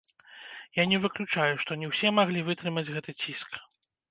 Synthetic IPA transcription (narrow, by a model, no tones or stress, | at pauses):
janʲɛvɨklʲut͡ʂajuʂt̪ɔnʲɛwsʲɛmaɣlʲivɨt̪ɾɨmɐd͡zʲɣɛt̪ɨt͡sʲisk